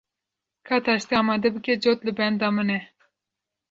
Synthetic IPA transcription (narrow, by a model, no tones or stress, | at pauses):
kʰɑːt̪ʰɑʃt̪iɑːmɑːd̪ɛbɨkɛd͡ʒot̪lɨbɛnd̪ɑːmɨnɛ